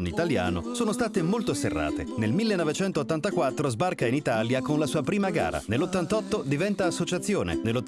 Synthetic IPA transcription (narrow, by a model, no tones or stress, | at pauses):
nit̪alja̰ːno̰soːnost̪aːt̪emolt̪oserːa̰ːt̪ḛnelmilːenːɔvet͡ʃɛnt̪oːt̪ːant̪akwat̪ːɾozbarkainit̪aljakonlasuːapɾiːmaɡa̰ːɾa̰nelːot̪ːant̪ɔt̪ːod̪ivɛnt̪aːsːot͡ʃat̪sːjoːnḛnelːot̪ː